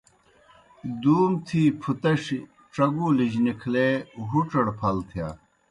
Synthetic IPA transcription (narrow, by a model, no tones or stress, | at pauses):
d̪uːmt̪ʰiːpʰut̪ɐʂ | ʈ͡ʂɐɡulid͡ʑnikʰleɦuʈ͡ʂɐɽpʰɐlt̪ʰija̰ː